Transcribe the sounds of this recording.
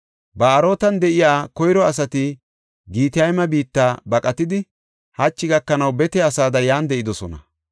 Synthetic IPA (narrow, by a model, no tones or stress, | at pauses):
bɐːɾo̞ːt̪ɐnd̪ɛʔɪjaːkɔjɾɔɐs̬ɐt̪ɪ | ɡiːt̪ɪjɐjmɐbiːt̪ːaːbɐkʼɐt̪ɪd̪ɪ | hɐt͡ʃːɪɡɐkːɐnɐwbɛt̪ɛɐsaːd̪ɐjaːnd̪ɛʔɪd̪ɔsɔ̰nɐ̰